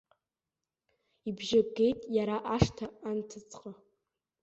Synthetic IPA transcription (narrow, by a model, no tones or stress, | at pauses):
ibʒaɡe̞jtʼjaɾaʔaʂtʰaːntʰɨt͡sʼqʼa